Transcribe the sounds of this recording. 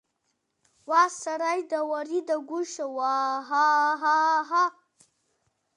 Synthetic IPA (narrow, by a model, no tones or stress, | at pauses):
wasaɾajd̪əwaɾid̪əɡuʃəwaɦaɦaɦa